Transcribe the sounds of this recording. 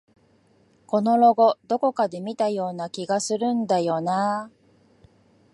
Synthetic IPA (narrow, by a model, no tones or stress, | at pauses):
ko̞no̞ɾo̞ɡo̞d̪o̞ko̞kad̪e̞mʲit̪ajo̞ːnakʲiɡasɨɾɯ̟̃nd̪ajo̞na